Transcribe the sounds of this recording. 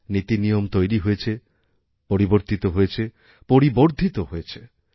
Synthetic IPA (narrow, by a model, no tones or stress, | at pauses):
nit̪inijomt̪ojɾiɦojet͡ɕʰe | poɾiboɾt̪it̪oɦojet͡ɕʰe | poɾiboɾd̪ʱit̪oɦojet͡ɕʰe